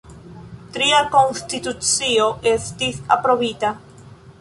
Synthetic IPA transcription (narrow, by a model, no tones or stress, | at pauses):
t̪ɾiakoŋst̪it̪usioʔest̪iθa̰pɾoβit̪a